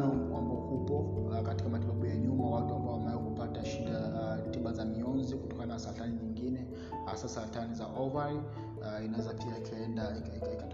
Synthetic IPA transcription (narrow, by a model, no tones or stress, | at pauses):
nɔmkwambɔhupɔkati̥kamatiɓaɓujaɲumawatuambaɔhamaɛɔhupataʃidatiɓazamiɔnzikutɔkananasaɾataniɲiŋɡinɛ | ha̰sasaɾatanizaʔɔvaɾi | inawɛzapiaikʰaɛndai | kika